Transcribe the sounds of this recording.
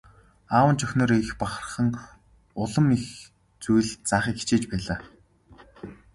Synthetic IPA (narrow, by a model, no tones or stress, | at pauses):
aːwə̆nt͡ɕœxʲnɔ̆ːɾixpaχər̆χə̆ŋ | ʊɮə̆mix | t͡sujɮt͡saːχiːkːi̥t͡ɕeːt͡ɕpæːɮaː